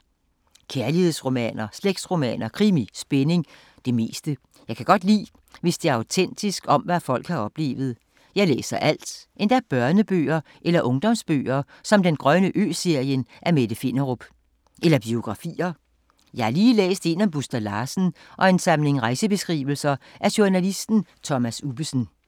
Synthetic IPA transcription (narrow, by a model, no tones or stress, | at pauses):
kʰæɐlihe̝ð̰ˠsʁo̝mɛ̰ːnɐsleɡ̥̚d̥sʁo̝mɛ̰ːnɐkʰʁimisb̥ene̝ŋ | d̥e̝me̝ːsd̥ə | jɑ̈ɪkʰæɡ̥ɒ̽d̥lḭː | ʋe̝sd̥e̝æɐɑ̈ʊt͡sʰen̰d̥isɡ̥ɒ̽mʋæfɒ̽l̰ɡ̥hɑ̈ɒ̽b̥le̝̰ːʋð̞̩ˠ | jɑ̈ɪlḛːsɐʔæl̰d̥ʔe̝nd̥ææb̥ɶɐnəb̥ø̰ːɐ | ʔelɐʔɔ̽ŋd̥ɒ̽msb̥ø̰ːɐ | sɒ̽md̥enɡ̥ʁɶnəʔø̰ːse̝ɐ̰jənʔæɐmed̥əfe̝nɐʁob̥ | ʔelɐb̥io̝ɡ̥ʁɑ̈fḭːɐ | jɑ̈hɑɐliːlḛːsd̥e̝næb̥usd̥ælɑ̈ːsn̩ | ʔɒ̽e̝nsɑ̈mle̝ŋʁɑ̈ɪsəb̥e̝sɡ̥ʁḭːʋl̩sɐʔæɐɕuɐnælisd̥n̩t͡sʰɒ̽mæsub̥əsn̩